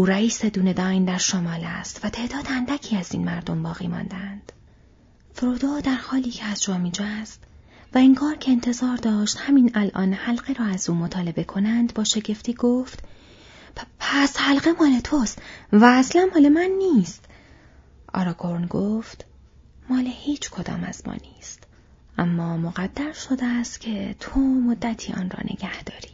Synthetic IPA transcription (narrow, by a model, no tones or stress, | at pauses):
uːɾæiːse̞d̪uːne̞d̪ɒːjnd̪æɾʃomɒːlæst̪væt̪ʰe̞ːʔd̪ɒːd̪ænd̪æcʰiːæzḭːnmæɾd̪o̞mbɒːɣḭːmɒ̰ːnd̪ænd̪̥ | fɾoːd̪oːd̪æɾhɒːliːcʰeæzd͡ʒɒːmid͡ʒæst̪ | væiŋɡɒːɾcʰe̞ːnt̪ʰe̞zɒːɾd̪ɒːʃt̪hæminælʔɒ̰ːnhælɢeɾɒːæzuːmot̪ʰɒːle̞be̞kʰo̞nænd̪bɒːʃe̞ɟe̞ft̪iːɡoːft̪ | pʰæshælɢemɒːlet̪ʰost̪væːslænmɒːlemænːiːst̪ | ʔɒ̰ɾɒːɡo̞ɾnɡoːft̪ | mɒːlehiːt͡ʃʰkʰo̞d̪ɒ̰ːmæ̰z̥mɒ̰ːniːst̪ | ʔæmːɒːmoɣæd̪ːæɾʃod̪eæst̪cʲʰet̪ʰomod̪ːæt̪ʰiːʔɒ̰ːnrɒ̰ːnʔe̞̰ɟæhd̪̥ɒ̰ːɾiː